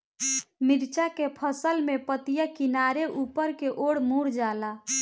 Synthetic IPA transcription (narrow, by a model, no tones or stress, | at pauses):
miɾt͡ʃakepʰəsəlmepət̪ijakinaɾeʔupəɾkeʔoɽmuɾd͡ʒala